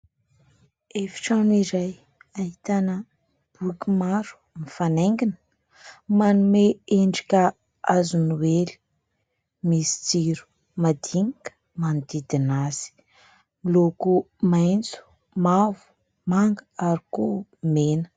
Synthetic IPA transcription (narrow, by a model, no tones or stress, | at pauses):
efi̥ʈ͡ʂaniɾaj | aɦit̪anə | b̥ukʲimaɾu̥mifaneŋɡinə̥ | manumeeɳɖ͡ʐi̥kʲə | azunuweli̥ | misi̥t͡siɾu̥ | mad̪iŋakə̥ | mand̪id̪inaz̥i̥ | miloku | majnt͡su̥ | mavu̥ | maŋɡəaɾikumenə̥